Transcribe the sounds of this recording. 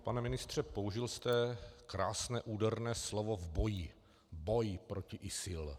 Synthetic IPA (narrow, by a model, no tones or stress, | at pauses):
panɛmɪnɪst̪r̝̥ɛpo̞uʒɪlst̪ɛkɾaːsnɛːʔuːdɛrnɛːslovovbo̞ji | bo̞jɪpɾocɪʔɪsɪl